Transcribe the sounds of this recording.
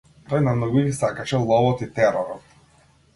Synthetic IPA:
t̪ɔjnamnɔɡuɡisakaʃɛlˠɔbɔt̪it̪ɛɾɔɾɔt̪

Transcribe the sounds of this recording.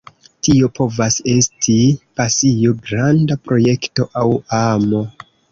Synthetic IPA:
tio̞pʰo̞vase̞stʰipasio̞ɡɾandapɾo̞je̞kto̞ʔawamo̞

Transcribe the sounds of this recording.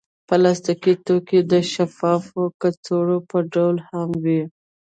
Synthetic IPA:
pəlɑst̪ɪkit̪okid̪əʃafɑfokat͡soɽopəɖawlhamwi

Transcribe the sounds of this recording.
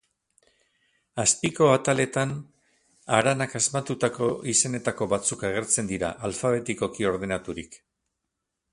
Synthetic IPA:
aspiko̞at̪ale̞t̪an | aɾanakazmat̪ut̪ako̞ise̞ne̞t̪ako̞βat͡sukaɣ̞e̞ɾt͡se̞nd̪iɾa̰ʔalfaβ̞e̞t̪iko̞kio̞ɾðe̞nat̪uɾik

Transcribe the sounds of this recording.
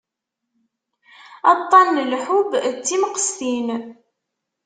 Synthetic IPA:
ɑt̪ˤːɑnːəlħubt͡sːimqə̥st̪in

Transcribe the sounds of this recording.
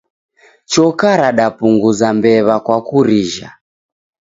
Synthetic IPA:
t͡ʃɔkaɾaɗapuŋɡuzambɛβakwakuɾiʒa̰

